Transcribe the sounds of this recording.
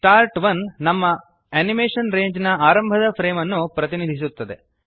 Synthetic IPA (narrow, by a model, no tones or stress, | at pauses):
ʈaːɾʈʋɐnːɐmːɐ | ɐnimeːʂɐnɾeːɲd͡ʒnɐaːɾɐmbʱɐd̪ɐpɾeːmɐnːupɾɐt̪inid̪ʱis̬ut̪ːɐd̪e̞̰